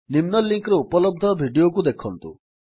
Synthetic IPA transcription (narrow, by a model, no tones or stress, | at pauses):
nimnɔlːiŋkɾeupɔlɔb̚d̪ʱɔbʱiɖijok̬ud̪ekʰɔnt̪ṵ